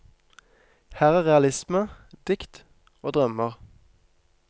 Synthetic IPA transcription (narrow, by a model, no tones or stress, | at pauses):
hæːʁæːʁɛɑlɪsməd̪̥ɪkt̪ | oːd̪ʁœməʁ